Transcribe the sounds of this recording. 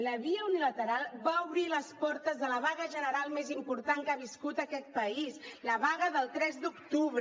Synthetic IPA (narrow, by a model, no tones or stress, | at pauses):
ləβiəunilət̪əɾalˠβauβɾiləspɔɾt̪əzðələβ̞aɣəʒənəɾalˠmezimpuɾt̪aŋkaβiskut̪əkɛt̪̚pəisləβaɣəðəlˠt̪ɾɛzd̪ukt̪uβɾə